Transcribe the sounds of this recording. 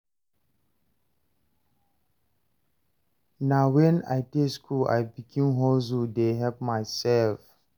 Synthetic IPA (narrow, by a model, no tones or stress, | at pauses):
nawɛ̃na̰jteskʰula̰jbikʰĩmɦɔzudeɦɛpmaɪsɛlf